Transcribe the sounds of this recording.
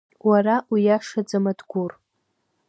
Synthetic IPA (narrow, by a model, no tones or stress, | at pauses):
waraʔwijaʂad͡zamadɡʷur